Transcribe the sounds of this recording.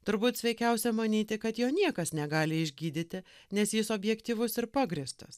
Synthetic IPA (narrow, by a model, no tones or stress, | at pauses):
t̪ʊɾbuːt̪sʲʋʲɛɪkʲɛʊsʲɛmɐnʲiːt̪ʲɪkɐt̪joːnʲiɛkɐsnʲɛɡɑːlʲɪɪʒʲɡʲiːd̪ʲɪt̪ʲɪnʲɛsjɪsoːbʲjɛkt̪ʲiːʋʊsɪɾpɑːɡɾʲɪst̪ɐs